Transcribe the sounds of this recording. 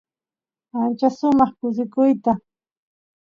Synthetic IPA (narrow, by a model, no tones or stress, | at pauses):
ant͡ʃaʃʊmɑχkʊs̬ɪkʊjt̪a